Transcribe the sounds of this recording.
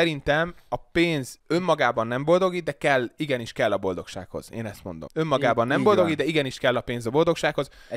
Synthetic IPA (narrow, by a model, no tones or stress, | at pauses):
ɛɾint̪ɛmɒpeːnzø̞mːɒɡaːbɒnːɛmbo̞ld̪o̞ɡid̪ɛkɛlːiɡɛniʃkɛlːɒbo̞ld̪o̞̰kʃa̰ːkho̞̰z̥ḛːnɛst̪mo̞̰nd̪o̞mø̞mːɒɡaːbɒnːɛmbo̞ld̪o̞ɡid̪ɛiɡɛniʃkɛlːɒpeːnzɒbo̞ld̪o̞kʃaːkho̞z